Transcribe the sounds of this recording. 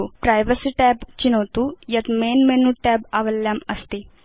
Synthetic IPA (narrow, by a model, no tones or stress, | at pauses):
upɾajʋəsiʈɛbt͡ɕinəʋt̪ujat̪menmenuʈɛbaʋəlːjaməst̪i